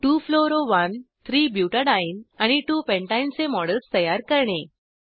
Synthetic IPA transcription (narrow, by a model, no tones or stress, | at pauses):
ʈuːfloɾoʋənt̪ʰɾiːbjuʈəɖãinaɽ̃iʈuːpɛ̃ɳʈaint͡semɔɽəlt͡st̪əjaɾkəɾɳe